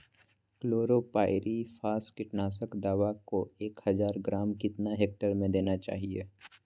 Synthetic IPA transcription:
kloːɾopaːɪɾʔifʰaːskɪʈnaːsəkd̪aːʋakoeːkhɐzaːɾɡɾaːmkɪt̪naɦeːk̚ʈəɾmẽd̪eːnat͡ʃa̰ːɦiḛː

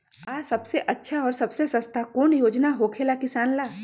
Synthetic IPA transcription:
aːsɐbseʔɐtːʃʰaɔːɾsɐbsesə̃st̪ʰakuːɳjoːd͡ʒnaɦoːkʰelakɪsaːnlaː

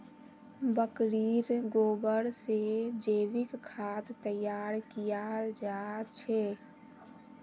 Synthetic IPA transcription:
bəkɾiɾɡoːbəɾsed͡ʒeːʋikkʰat̪t̪əjaɾkijald͡ʒat͡ʃʰɛ

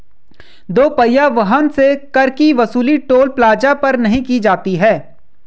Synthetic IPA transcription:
d̪oːpɐjaʋɐɦənsekɐɾkiʋɐsuːliʈoːlplaːd͡ʒapɐɾnɐɦĩkid͡ʒaːt̪iɦɛː

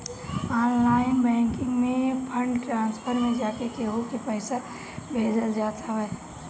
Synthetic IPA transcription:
aːnlaːɪnbɛ̃ːŋkɪ̃ŋɡmẽpʰə̃ɳɖʈɾãːnspʰəɾmẽd͡ʒaːkekeɦokipəɪsəɾ | bʱeːd͡ʒəld͡ʒaːt̪ʰaɦɛː

